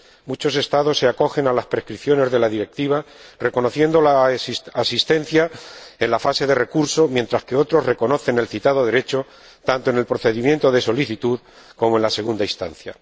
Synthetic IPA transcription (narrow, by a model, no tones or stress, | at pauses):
mut͡ʃo̞se̞st̪aðo̞sːe̞ako̞xe̞nalaspɾeskɾiθjone̞zðe̞laðiɾe̞k̚t̪iβ̞are̞ko̞no̞θje̞nd̪o̞lasːsist̪e̞n̟θjae̞nlafase̞ðe̞re̞kuɾso̞mje̞nt̪ɾaskeo̞t̪ɾo̞zreko̞no̞θe̞ne̞lθit̪aðo̞ðe̞ɾe̞t͡ʃo̞ | t̪ant̪oe̞ne̞lpɾoθe̞ðimje̞nt̪o̞ðe̞so̞liθit̪uð | ko̞mo̞e̞nlase̞ɣ̞und̪aist̪anθja̰